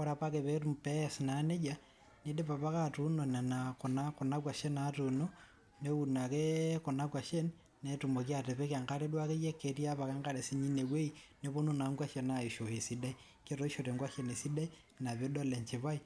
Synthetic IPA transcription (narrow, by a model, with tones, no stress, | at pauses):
o˦ɾa˨pa˦ke˨βetumpɛ˦sna˨ne˦d͡ʒa | ne˦de˦βa˨βa˦katu˦no˨na˨na˨ko˨na˦ko˨na˦kwa˨ʃe˦natuno | ne˦u˨na˨ke˦ko˨na˦kwa˨ʃe˦n | netu˨mo˨kja˨te˨βe˦ka˨ŋɡa˦ɾe˦dwa˦ke˦je˦ke˨ɾi˦a˦βa˨ka˦ŋɡa˦ɾe˨si˦ɲi˦ne˨we˦ine˦βo˦no˦na˨ŋɡwa˦ʃe˨nai˨ʃo˨he˨si˦da˦i | ke˦ɾo˦i˦ʃoɾe˨ŋɡwa˦ʃe˨ne˨si˦da˦i | na˨βe˦do˦le˨ɲt͡ʃi˨βa˦i